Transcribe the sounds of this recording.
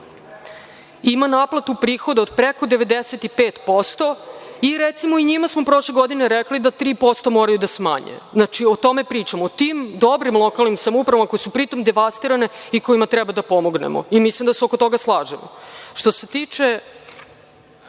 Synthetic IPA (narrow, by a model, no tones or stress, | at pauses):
imanaplˠat̪upɾiːxo̞d̪aod̪pɾeko̞d̪eʋe̞d̪eset̪ipeːt̪po̞st̪o̞iɾet̪simoiɲimasmopɾo̞ʃleɡo̞d̪ineɾeklid̪at̪ɾiːpo̞st̪o̞moːɾajud̪asma̰ɲḛznat͡ʃiot̪o̞me̞pɾiːt͡ʃamot̪imd̪o̞bɾimlˠo̞kalˠnimsamupɾaʋamako̞jsupɾit̪o̞md̪e̞ʋast̪iɾane̞iko̞imat̪ɾɛbad̪apo̞mo̞ɡnḛmo̰imislimd̪aseo̞ko̞t̪o̞ɡaslˠaːʒemo̰ʃt̪o̞se̞t̪it͡ʃe